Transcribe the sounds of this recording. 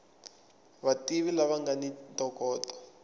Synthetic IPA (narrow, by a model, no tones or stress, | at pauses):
βatiβilaβaŋɡanintɔkɔːtɔ̥